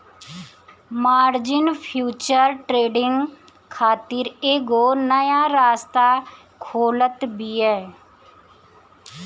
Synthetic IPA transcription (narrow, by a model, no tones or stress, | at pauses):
maːɾd͡ʒɪnpʰjuːt͡ʃəɾʈɾeːɖɪŋɡ | kʰaːt̪ɪɾeːɡoːnəjaːɾaːst̪aː | kʰoːlət̪biːɛː